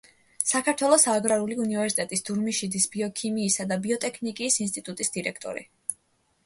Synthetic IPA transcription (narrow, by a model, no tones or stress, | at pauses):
sakʰaɾt̪ʰwɛlˠɔsaɡɾaɾuliunivɛɾsit̪ʼɛt̪ʼisd̪uɾmiʃid̪isbiɔkʰimiːsad̪abiɔt̪ʼɛkʰnikʼiːsinst̪ʼit̪ʼut̪ʼisd̪̥iɾɛkʰt̪ʼɔ̰ɾḭ